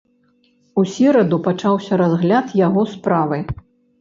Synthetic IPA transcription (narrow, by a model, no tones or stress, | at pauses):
usʲiɾɐd̪upat͡ʂawsʲɐɾazɣlʲat̪jaɣɔspɾavɨ